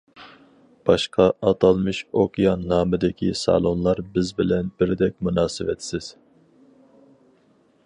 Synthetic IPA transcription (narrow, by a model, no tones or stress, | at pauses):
b̥ɑʃqʰɑʔɑt̪ʰɑlˠmɨʃokʲʰijɑnːɑːmɨd̪ɪkʲʰisɑ̰lˠonlˠɑɾbɪzbɪlɛnbɪɾɪd̪ɛk̚ʲmunɑːsɨwɛt̪ʰsɪz̥